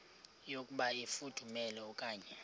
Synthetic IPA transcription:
jokʼuɓaifud̥ʱumɛlɛɔkʼaːɲɛ

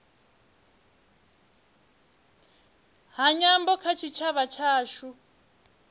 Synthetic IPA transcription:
ɦaɲambɔkʰat͡ʃʰit͡ʃʰaβat͡ʃʰaːʃu

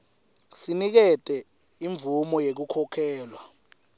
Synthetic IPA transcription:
sinik̬ɛtʼɛ | iɱvʱumɔjek̬ukʰɔkʰɛːlwa

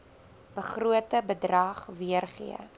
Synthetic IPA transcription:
b̥əχruətəbədrɐχviərχḭə̰

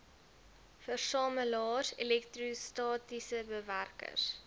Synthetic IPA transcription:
fərsɑːməlɑːsḛlɛktrustɑːtisəbəværkə̰s

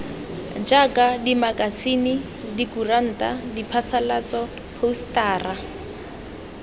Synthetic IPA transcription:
d͡ʒakʼadimakʼasini | dikuran̩ːtadipʰasalat͡sɔ | pʰoustaːra

